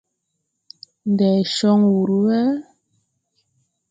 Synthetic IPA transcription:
n˨dɛ˨ʃɔ˦ŋwu˨ɾu˦wɛ˦

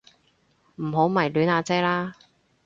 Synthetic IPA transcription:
m̩˨˩ɦo˨˥wmɐ˨˩jlyː˨˥naː˧t͡sɛː˥laː˥

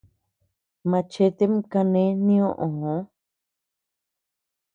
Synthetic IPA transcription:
mã˧t͡ʃe˦t̪e˦mka˧nẽ˦nĩ˦õ˦ʔõ˨hõ˨˦

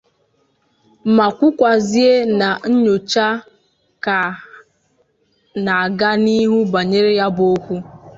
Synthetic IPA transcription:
ma˨kʷʊ˦kʷa˨zi˦e˦na˨n̩˦ɲo˨t͡ʃa˦ | ka˨ | na˨a˨ɡa˦ni˦ɦu˦ba˨ɲe˦ɾe˦ja˦bo˦kʷu˦

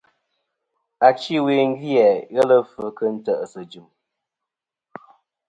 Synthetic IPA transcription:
a˨t͡ʃi˦we˨ŋ̩˦ɡjɛ˨ɣɛ˦lə˦fə˨kə˦n̩˦tə˨ʔsə˨d͡ʒʉ˨m

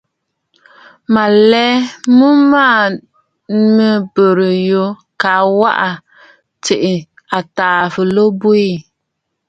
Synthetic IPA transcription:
ma˨lɛ˦mu˦maː˦˨˦ | mɨ˦bo˨ɾɨ˨jo˦ka˨wa̰˦ʔa˨ | tɪ˨ʔɪ˨ | a˨taː˨fɨ˨lo˦bo˦i˦

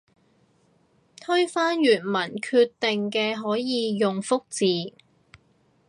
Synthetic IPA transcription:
t̪ʰɵ˥ɥfaː˥njyː˨˩nmɐ˨˩nkʰyː˧t̪ːɪ˨ŋkɛː˧ɦɔː˨˥jjiː˨˧jʊ˨ŋfʊ˥k̚t͡siː˨

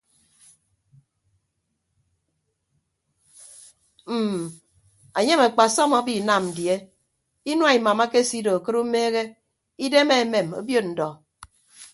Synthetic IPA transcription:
m̩˨ | a˨ɲe˦ma˨k͡pa˨sɔ˦ma˨˦bi˦˨na˨mn̩˨dje˦ | i˦nwa˦i˨ma˨ma˦ke˦si˦do˨a˨kɨ˦ɾu˦me˦ɣe˦ | i˦de˦me˦˨me˨mo̰˦bjo˦t̚n̩˨dɔ˨

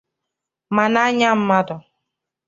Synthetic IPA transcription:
ma˨na˦ɲa˦m̩˦ma˦dɔ˨

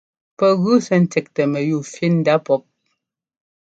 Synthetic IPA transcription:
pɛ˦ɣʉ˦sɛ˦n̩˦tɛ˨k̚tɛ˨mɛ˨ju˨fi˦n̩˦da˦pɔ˦p̚

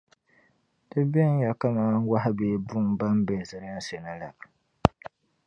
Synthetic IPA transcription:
d̥ɨ˦bɛ˦n˦ja˨ka˦maː˦ŋ˦wa˦ɦa˦beː˨˦bu˦ŋba˦m˦be˨zɨ˨ɾn˦se˨nɨ˦la˨

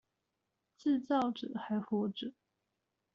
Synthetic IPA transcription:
t͡sɹ̩˥˧t͡sɑ˥˨ʊʈ͡ʂ̩˨˩˦xa˧˥ɪxwɔ˧˥ʈ͡ʂ̩˨˩˦

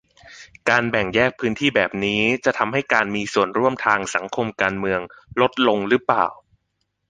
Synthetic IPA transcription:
kaː˧nbɛ˨˩ŋjɛː˥˩k̚pʰːɯː˦˥nt̪ʰiː˥˩bɛː˨˩p̚niː˦˥t͡ɕa˨˩t̪ʰa˧mɦa˥˩jkaː˧nmiː˧su˨˩ənɾu˥˩əmt̪ʰaː˧ŋsa˩˦ŋkʰo˧mkaː˧nmɯ˧əŋlo˦˥t̪̚lo˧ŋɾɯ˦˥pla̰ː˨˩w

